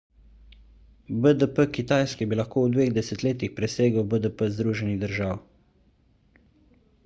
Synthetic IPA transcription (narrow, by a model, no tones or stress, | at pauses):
bəd̪əpəkit̪aːjskɛbilaxkoːwd̪ʋeːɣd̪ɛsɛt̪leːt̪ixpɾɛseːɡəwbəd̪əpəzd̪ɾuːʒɛniɣd̪əɾʒaːw